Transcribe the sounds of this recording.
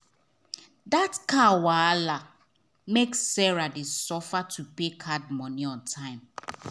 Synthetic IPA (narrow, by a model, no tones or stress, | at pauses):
datkawala | meksːɛɹadesɔfatʰupekʰad̚mɔniɔ̃ntʰãɪ̃m